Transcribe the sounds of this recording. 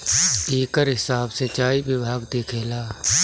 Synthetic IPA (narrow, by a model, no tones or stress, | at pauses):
eːkəɾɦɪsaːbsẽt͡ʃaːiʋɪbʱaːɡd̪eːkʰeːlaː